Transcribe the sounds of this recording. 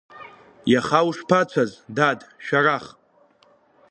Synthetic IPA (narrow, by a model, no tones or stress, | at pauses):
jaχawʂpʰat͡ʃʷʰazdadʃᶣaraχ